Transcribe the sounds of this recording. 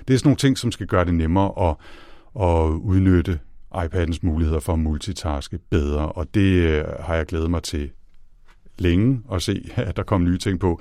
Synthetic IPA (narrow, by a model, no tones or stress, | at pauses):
d̥e̝æɐsɒno̝ːn̩t͡sʰe̝ŋ̰sɒ̽msɡ̥æɡ̥ɶːɐɾe̝nemɐːʔɒ̽ | ɒ̽uð̞ˠnød̥əʔɑ̈ɪpʰæd̥n̩smuːlihe̝ð̞̰ˠɐfɒ̽mult͡sʰit͡sʰɑ̈sɡ̥əb̥eð̞ˠʁɐʔɒ̽d̥e̝hɑ̈jɑ̈ɪɡ̥leːð̞̩ˠmɑ̈ɪt͡sʰe̝ | leŋəɒ̽se̝̰ːæd̥ɑ̈kʰɒ̽m̰nyːt͡sʰe̝ŋ̰pʰɒ̽